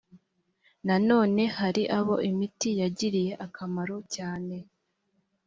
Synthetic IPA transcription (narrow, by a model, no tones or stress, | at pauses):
nano̞ːne̞haɾiʔaβo̞̰ʔimitijaɟiɾije̞ʔakʰamaɾo̞caːne̞